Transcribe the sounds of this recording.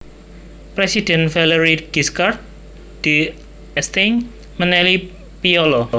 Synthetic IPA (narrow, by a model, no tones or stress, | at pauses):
pɾesid̥ɛnfɛlɛɾiɡ̥iskart̪̚ | d̪̥i | ɛst̪iŋ | mənɛli | piɔlɔ